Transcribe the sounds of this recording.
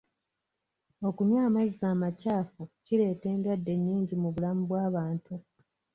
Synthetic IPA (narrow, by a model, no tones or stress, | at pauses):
o̞kuɲaːmazizaːmacaːfucile̞ːte̞ːndadːe̞ɲːiːɲɟimuβulamuβwaːβaːntu